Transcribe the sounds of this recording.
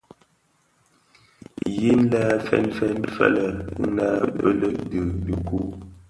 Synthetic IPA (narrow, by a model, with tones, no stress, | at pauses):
ji˦n˦la˦fɛ̰˦˨nfɛ˦nfa̰˦˨lə˨˦na˦bə˦lə˦ʔdə˨də˨ku˦